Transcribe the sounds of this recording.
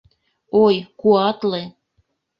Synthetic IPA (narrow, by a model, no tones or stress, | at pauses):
ojkuɑt̪le